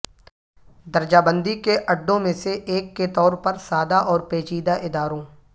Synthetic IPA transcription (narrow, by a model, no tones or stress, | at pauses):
d̪ɐɾd͡ʒaːbə̃nd̪ikeʔɐɖːõmẽseʔeːkːet̪ɔːɾpɐɾsaːd̪aʔɔːɾpeːt͡ʃiːd̪aʔɪd̪aːɾõː